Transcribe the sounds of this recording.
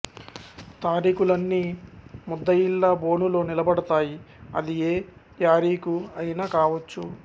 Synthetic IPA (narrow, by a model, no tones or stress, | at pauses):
t̪aːɾiːkulɐnːiːmud̪ːɐjilːabo̞ːnulo̞ːnilɐbɐɽɐt̪aːji | ɐ̰d̪ieː | d͡ʒaːɾiːkuɐjinaːkaːʋɐt͡ʃːu